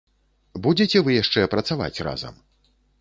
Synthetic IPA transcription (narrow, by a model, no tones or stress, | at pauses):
bud͡zʲet͡sʲɛvɨjaʂt͡ʂɛpɾɐt̪sava̰t͡sʲra̰zɐ̰m